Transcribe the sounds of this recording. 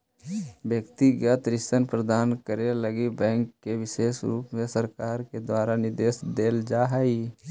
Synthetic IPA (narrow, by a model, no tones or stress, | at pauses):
bjəkt̪iɡət̪ɾɪʃənpɾəd̪aːnkəɾeləɡibɛ̃ːŋkːeʋɪʃeːʃɾṵːpmesəɾkaːɾked̪waːɾanɪd̪eːsd̪eːld͡ʒaːɦai